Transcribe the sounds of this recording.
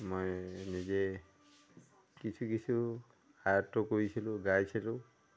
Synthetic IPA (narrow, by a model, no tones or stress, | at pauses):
mojnizɛ | kisʰukisʰu | ajatːɔkoɹisilʊ̃ɡajsilʊ̃